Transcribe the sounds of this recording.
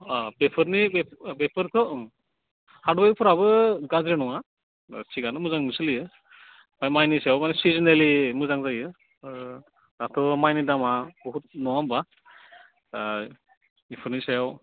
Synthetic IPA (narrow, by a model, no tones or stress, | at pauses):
bepʰɯɾnibebepʰɯɾkʰɔ | hadbajdɯpʰɔɾaβɯɡazɾinɔŋa̰ | siɡanɯmuzaŋnɯsɯlijɯ | majmajnisajawmanɛsizinelimɯzaŋzajɯ | datʰɔmajnidamabɔɦut̚nɔwamba | ipʰɯɾnisajaw